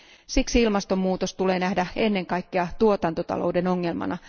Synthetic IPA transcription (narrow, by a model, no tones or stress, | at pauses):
siksiilmɑst̪o̞mːuːt̪ost̪uleːnæhdæe̞nːe̞ŋkɑjkːeɑt̪uo̞t̪ɑnt̪ot̪ɑ̰lo̞̰ude̞no̞ŋːe̞lmɑ̰nɑ